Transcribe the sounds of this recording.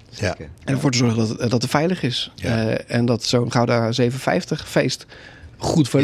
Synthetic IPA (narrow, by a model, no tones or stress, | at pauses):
ɛnəɹvoːɹtəzɔɹχəddɑtətfɛjləχɪs | ɛndɑtsownχawdazejvənəfɛ̰jftəχfejstχutfə